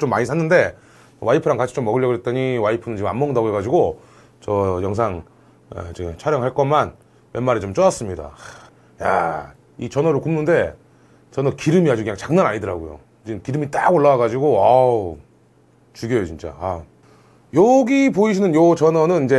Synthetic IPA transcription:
t͡ɕomːaɲisʰanːɯnde̞ | waipʰɯɾaŋkat͡ɕʰi̥t͡ɕomːʌɡɯɭʎːʌɡɯɾet͈̚ʌɲiwaipʰɯnɯnt͡ɕiɡɯma̰mːʌŋdʌɡeɡad͡ʑiɡo | t͡ɕʌjʌŋs̬ʰaŋ | ḛt͡ɕit͡ɕʰaɾjʌŋɦaɭk͈ʌman | wemːaɾet͡ɕomt͡ɕ͈ʌʌs͈ɯmɲida̰ | ja̰ | it͡ɕʌnʌɾɯɭkumnɯnde̞ | t͡ɕʌnʌkiɾɯmiɦad͡ʑukɯɲaŋt͡ɕaŋnanaɲidɯɾaɡojo̰ | d͡ʑinkiɾɯmit͈aɡoɭːawaɡad͡ʑiɡoʌ | t͡ɕuɡjʌjot͡ɕint͡ɕ͈a̰a | jʌɡipoiɕʰinɯnjot͡ɕʌnʌnɯnind͡ʑe̞

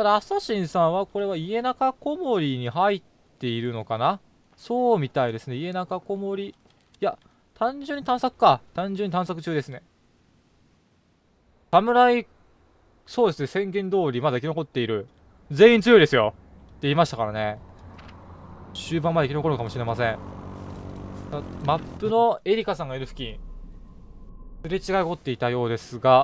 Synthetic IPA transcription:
t̪ad̪aːsaɕĩɰ̃sãɰ̃βako̞ɾe̞βaie̞nakako̞mo̞ɾʲiɲ̟iɦait̪ːe̞iɾɯ̟no̞kana | so̞ːmʲit̪aid̪e̞sɨne̞ie̞nakako̞mo̞ɾʲi | ja | t̪ãɲ̟d͡ʑɨɲ̟ːit̪ãɰ̃sakɯ̟̥kat̪ãɲ̟d͡ʑɨ̃ɲ̟ːit̪ãɰ̃sakɯ̟t͡ɕɨːd̪e̞sɨne̞ | samɯ̟ɾai | so̞ːd̪e̞sɨne̞sẽ̞ŋɡẽ̞nd̪o̞ːɾʲimad̪aikʲino̞ko̞t̪ːe̞iɾɯ̟ | d͡ze̞ːĩnt͡sɨjo̞id̪e̞sɨjo̞ | t̪ːe̞iːmaɕi̥t̪akaɾane̞ | ɕɨːbãmːad̪eikʲino̞ko̞ɾɯ̟kamo̞ɕiɾe̞masẽ̞ɴ | amapːɯ̟no̞e̞ɾʲikasãŋɡaiɾɯ̟ɸɯ̟̥kʲĩ | sɨɾet͡ɕiɡaiɡo̞t̪ːe̞it̪ajo̞ːd̪e̞sɨɡa

